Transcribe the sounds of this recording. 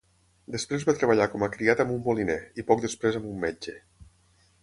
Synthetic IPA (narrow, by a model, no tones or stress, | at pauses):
d̪espɾezβat̪ɾeβ̞əʎakɔmakɾiat̪əmumbolineipɔk̚d̪espɾezəmumːed͡ʒe